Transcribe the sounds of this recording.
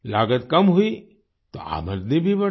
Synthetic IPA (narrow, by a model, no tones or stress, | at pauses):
laːɡət̪kɐmɦʊi | t̪o̰ʔa̰ːməɾd̪nibʱibə